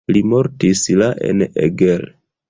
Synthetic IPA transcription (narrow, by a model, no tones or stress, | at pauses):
limo̞ɾtislaʔḛnḛɡel